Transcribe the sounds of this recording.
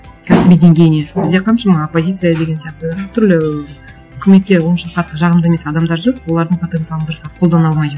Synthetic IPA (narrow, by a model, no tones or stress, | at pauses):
kʲʰæsɪbijd̪e̞ŋɡʲe̞jɪne̞bɪzd̪eqʰɑnʃɑmɑopːo̞zʲit̪sɨjad̪e̞ɡʲe̞nsijɑq̚t̪ət̪ʰʏɾlɪ | ʏkʲʰɪme̞t̪̚kʲe̞wonʃɑqɑt̪ːəʒɑʁəmd̪əeme̞sɑd̪ɑmd̪ɑɾʒoqwo̞lˠɑɾd̪əɴpʰot̪ent̪ɨjɑlənd̪ʊɾəsɑqʰolˠd̪ɑnɑlˠmɑj